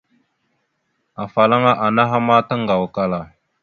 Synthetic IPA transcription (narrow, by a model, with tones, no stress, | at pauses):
a˨fa˨la˦ŋa˦ʔa˨na˦ɦa˦ma˦ta˦ŋɡa˨wka˦la˨